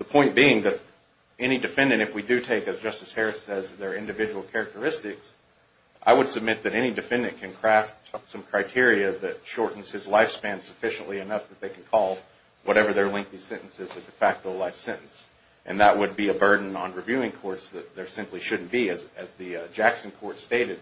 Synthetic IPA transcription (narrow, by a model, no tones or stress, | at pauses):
ðəpʰɔ̃ɪ̃nb̥iɪ̃ŋðɨɾ | ɛɾ̃idɨfɛ̃ndɨ̃ɾ̃ɨfwidɨtʰeɪkɨzd͡ʒʌstɨz̥hɛɹɨsɛzðə˞ɪ̃ndɨvɪd͡ʒɨwl̩ˠkʰɛɹɨk̚tə˞ɪstɪks | ʔaɪwəd̥sɨb̚mɪt̪̚ðɨɾɛñidɨfɛ̃ndɨ̃nkʰɨ̃nkʰɹ̥æftsʌ̃mkʰɹ̥aɪtʰɪɹiɨðɨt̚ʃɔɹʔn̩z̥hɨzlaɪfspæ̃n̥səfɪʃɨ̃n̩ʔliɨnʌfðɨt̪̚ðeɪkʰn̩kʰɔlˠ | wʔʌɾɛvə˞ðə˞lɛ̃ŋk̚θisɛ̃ñʔn̩sɨzɨdɨfæk̚təlaɪfsɛ̃nn̩s | ʔɨ̰̃nðəʔ̚wʔəd̚biɨbɜ˞dⁿn̩ə̰̃nɹivjʉɪ̃ŋkʰɔɹtsðɨt̪̚ðə˞sɪ̃mpliʃʊdⁿn̩b̥iɨzɨzðɨd͡ʒæksɨ̃n̩kʰɔɹtsteɪɾɨd̥̚